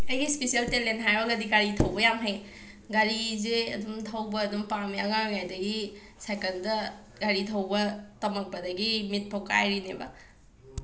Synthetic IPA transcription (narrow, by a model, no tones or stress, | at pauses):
ɐjɡispesijɐltelentɦajɐɡɐdiɡaɾitʰɐwbɐjamɦaj | ɡaɾizeɐ̰dumtʰɐwbɐːdumpamiaŋaŋŋajdɐɡi | sajkɐndɐ | ɡaɾitʰɐwbɐtɐmɐk̚pɐdɐɡimit̚pʰoka̰jɾinebɐ̰